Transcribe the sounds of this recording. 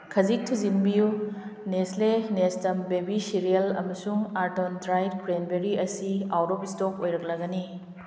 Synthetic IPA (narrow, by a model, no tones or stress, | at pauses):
kʰɐzik̚tʰizinbijuneslenestɐmbebisiɾijɐlɐ̰mɐsuŋaɾtondɾajd̚kʰuɾenbeɾiʔɐsiawɾobistok̚ojɾɐk̚lɐɡɐni